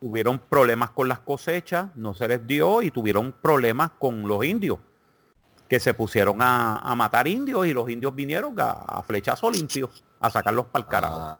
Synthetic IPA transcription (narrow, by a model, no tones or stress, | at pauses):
t̪uβje̞ɾo̞mpɾo̞βle̞masko̞nlasko̞se̞t͡ʃasno̞se̞le̞zd̪jo̞it̪uβje̞ɾo̞ŋpɾo̞βle̞masko̞ŋlo̞sind̪jo̞s | ke̞se̞pusje̞ɾo̞ŋaa̰mat̪aɾind̪jo̞silo̞sind̪jozbinje̞ɾo̞ŋa̰a̰fle̞t͡ʃaso̞limpjo̞s | a̰sakaɾlo̞spalkaɾa̰so